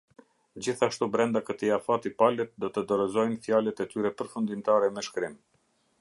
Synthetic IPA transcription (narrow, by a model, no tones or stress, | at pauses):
d͡ʑiθaʃt̪ubɾɛnd̪akət̪iafat̪ipalɛt̪̚d̪ɔt̪əd̪ɔɾɛzɔjnfjalɛt̪ɛt̪yɾɛpəɾfund̪imt̪aɾɛmɛʃkɾim